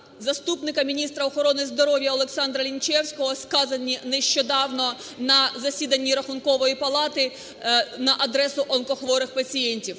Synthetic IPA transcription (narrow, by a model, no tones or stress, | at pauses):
zɐst̪upnɪkɐmʲinʲist̪ɾɐɔxɔɾɔnɪzd̪ɔɾɔʋʲjɐɔlˠɛksɑnd̪ɾɐlʲint͡ʃɛwsʲkɔɦɔskɑzɐnʲinɛʃt͡ʃɔd̪ɑwnɔ | nɐzɐsʲid̪ɐnʲːiɾɐxʊnkɔʋɔjipɐlˠɑt̪ɪ | nɐʔɐd̪ɾɛsʊʔɔnkɔxʋɔɾɪxpɐt͡sʲijɛnʲtʲiw